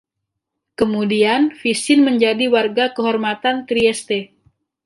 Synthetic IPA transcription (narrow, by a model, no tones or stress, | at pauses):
kəmudianfisɪnməɲd͡ʒadiwarɡakəɦɔrmat̪ant̪ɾiɛst̪e